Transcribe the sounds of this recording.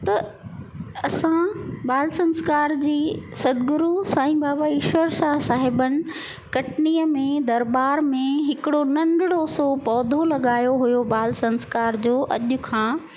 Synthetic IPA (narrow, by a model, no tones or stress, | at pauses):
t̪ɐ | ɐsãbaːlsɐ̃nskaːɾd͡ʑiːsɐd̪ɡʊɾusãːĩbaːbaɪʃʋəɾʃaːɦsaːɦɪbənɪ̆ | kɐʈniːəmẽd̪ɐɾbaːɾmẽɦɪkɪɽonɐ̃nɖɪɽosopɔːd̪ʱolɐɠaːjoɦʊjobaːlsɐ̃nskaːɾd͡ʑoːʔɐʄʊ̆kʰãː